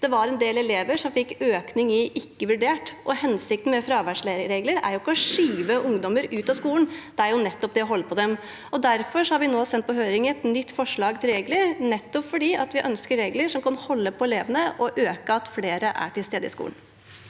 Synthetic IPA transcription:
d̪̥ɛʋɑɾɛnd̪eːlɛleːʋəʂɔmfɪkːøːknɪŋɪʔɪkːəʋʉɖeːʈʔɔhɛnsɪk̚t̪n̩mɛfɾɑːʋæʂɭeɾɾeːɡləɾæ̰ɾjʊɪkːəɔʂyːʋəʔʊŋd̪ɔməɾʉːt̪ɑskuːlən̩d̪̥ɛæɾjʊnɛt̪ːɔp̚d̪ɛjæɦɔlːəpʰɔd̪ɛm | ɔd̪æɾfɔʂɔhɑɾʋɪnoːsɛnt̪̚pʰɔɦøːɾɪŋəɛt̪nʏt̪ːfɔʂɭɑːɡt̪ʰɪlɾeːɡləɾnɛt̪ːɔpfɔɖiːʔɑt̪ʋɪʔœnskəɾɾeːɡləʂɔmkɑnhɔlːəpʰɔɛleːʋənəʔɔʔøːkəɑt̪fleːɾəʔæ̰ʈʰɪlst̪eːd̪əɪ̰skṵːln

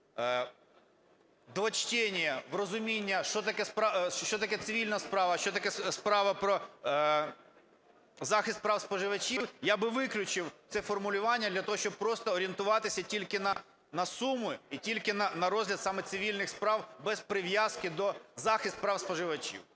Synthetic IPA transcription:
d̪ʋɐt͡ʃtʲɛnʲijɐʋrɔzʊmʲinʲːɐʃt͡ʃɔt̪ɐkɛspɾt͡ʃɔt̪ɐkɛt̪sɪʋʲilʲnɐspɾɑʋɐʃt͡ʃɔt̪ɐkɛspɾɑʋɐpɾɔ | zɑxɪst̪̚pɾɑwspɔʒɪʋɐt͡ʃʲiwjabɪʋɪklʲʊt͡ʃɪwt̪sɛfɔrmʊlʲʊʋɑnʲːɐd̪lʲɐt̪ɔɦɔʃt͡ʃɔb̚pɾɔst̪ɔːɾʲient̪ʊʋɑt̪ɪsʲɐtʲilʲkɪnɐ | nɐsumʊitʲilʲkɪnɐnɐɾɔzɦlʲɐd̪sɑmɛt̪sɪʋʲilʲnɪxspɾɑwbɛzpɾɪʋjazkɪd̪ɔzɑxɪst̪̚pɾɑwspɔʒɪʋɐt͡ʃʲḭw

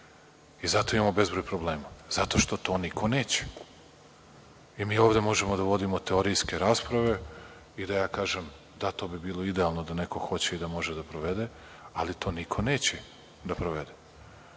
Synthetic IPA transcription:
izat̪o̞imamobe̞zbɾojpɾo̞ble̞ːmazat̪o̞ʃt̪o̞t̪o̞ːnikʰo̞neːt͡ɕe̥ | imiːo̞ːʋd̪e̞mo̞ʒemod̪aʋo̞d̪imo̞t̪e̞oɾijske̞ɾaːspɾaʋe̞ | id̪ajaːkaːʒem | d̪at̪o̞ːbibiːlˠoid̪ealˠnod̪ane̞ko̞xo̞t͡ɕeid̪amo̞ʒed̪apɾoʋe̞d̪e̞ | alit̪o̞ːnikʰo̞neːt͡ɕe | d̪apɾoʋed̪e̞

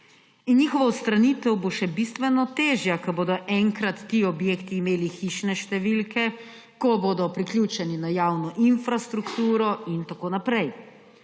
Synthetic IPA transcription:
injiːxɔʋawst̪ɾaniːt̪ɛwboʃɛbist̪ʋɛnɔt̪eːʒjakɐboːd̪ɔʔɛŋkɾat̪ːiɔbjeːkt̪iːmeːlixiːʃnɛʃt̪ɛʋilkʰɛ | kɔboːd̪ɔpɾiklʲjuːt͡ʃɛninajaːwnɔʔinfɾast̪ɾukt̪uːɾɔint̪akoːnapɾɛj

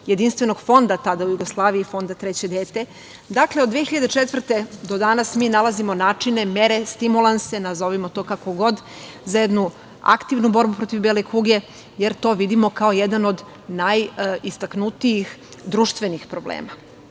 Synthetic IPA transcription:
jed̪inst̪ʋe̞no̞ɡ̥fo̞nd̪at̪ad̪aujuɡoslˠaːʋiifo̞nd̪at̪ɾɛt͡ɕe̞d̪eːt̪e̞ | d̪akleod̪ʋexiʎad̪et͡ʂet̪ʋr̩t̪ed̪o̞d̪anasmiːnalˠazimo̞naːt͡ʂine̞meɾe̞st̪imulˠanse̞nazo̞ʋimo̞t̪o̞ːkako̞ɡo̞d̪ | zajed̪nu | a̰kt̪iʋnubo̞ɾbupɾo̞t̪ivbelekuɡe̞ | jeɾt̪o̞ːʋid̪imo̞kaojed̪ano̞d̪ | najist̪aknut̪ijixd̪ɾuʃt̪ʋe̞nixpɾoblḛːma

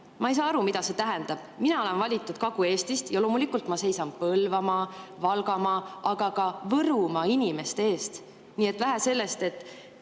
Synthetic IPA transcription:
mɑe̞js̬ɑːɑɾumid̪̥ɑse̞t̪æɦɛnd̪̥ɑb̥minɑole̞nvɑlʲit̪ːˑud̪̥̚kɑɡ̥ue̞ːst̪ist̪jɑlo̞ːmulikːˑult̪ˑmɑse̞jsɑnpɤlvɑmɑvɑlɡɑmɑʔɑɡ̥ɑɡ̥ɑvɤɾumɑinime̞st̪e̞e̞ːst̪ | niːe̞t̪væɦæse̞lːe̞st̪e̞t̪ːˑ

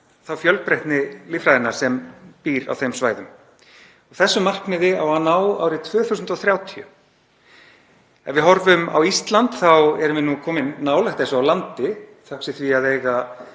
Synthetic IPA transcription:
θawfjœlpɾɛht̪nɪlifɾajðɪnːaɾ̥sɛmpiːɾa̰wθejmsvaːjðʏm | ɔɣθɛsːʏmːar̥knɪðɪawanaːwa̰ːwɾɪt̪ʰv̥œːθusʏnt̪ɔθɾjaːwt̪ʰiʏ̰ | ɛ̰nvɪɦɔɾvʏma̰wist̪lant̪θawɛɾʏmvɪnukʰɔːmɪnːaːwlɛht̪ɛ̃sɔawlant̪ɪθaksɪθviaðejɣa

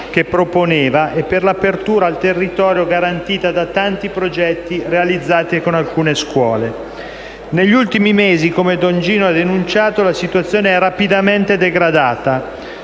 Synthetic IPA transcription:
k̟epːɾoponeːvaʔepːerlapert̪uːɾaːlt̪erːit̪ɔːɾjoɡaɾant̪iːt̪ad̪at̪ant̪ipɾod͡ʒɛt̪ːirealid̪zːaːt̪ekonalkuːneskwɔːle | neʎːult̪imimeːzikomed̪ɔnd͡ʒiːnoad̪enunt͡ʃaːt̪olasit̪wat̪sːjoːneɛrːapid̪ament̪ed̪eɡɾad̪aːt̪a

